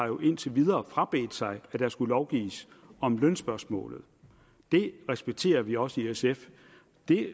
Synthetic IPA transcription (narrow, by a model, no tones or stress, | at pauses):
ɑ̈jo̝ʔe̝n̰t͡sʰeʋið̞ˠɐːfʁɑ̈b̥e̝̰ːd̥sɑ̈ɪæd̥æɐsɡ̥ulɒʊɡ̥ḭːs | ɒ̽mlœnsb̥ɶɐsmɔ̰̽ːlð̞̩ˠ | d̥e̝ʁɛsb̥eɡ̥̚t͡sʰe̝̰ːɐʋiɒ̽səiesef | d̥e̝